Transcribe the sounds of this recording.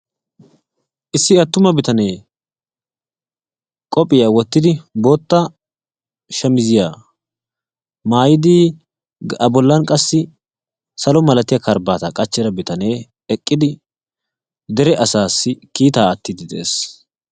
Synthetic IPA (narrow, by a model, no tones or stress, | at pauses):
ʔɪsːɪɐt̪ːʊmɐbɪt̪ɐne̞ː | kʼɔpʼɪjaːwɔt̪ːɪd̪ɪbo̞ːt̪ːɐ | ʃɐmɪzɪjaː | maːjɪd̪iː | ɐbɔlːɐnkʼɐsːɪ | sɐlɔmɐlɐt̪ɪjɐkɐɾbaːt̪ɐkʼɐt͡ʃːɛɾɐbɪt̪ɐne̞ː | ɛkʼːɪd̪ɪ | d̪ɛɾɛʔɐsaːsːɪkiːt̪aːɐt̪ːɪd̪ɪd̪ɛʔḛːs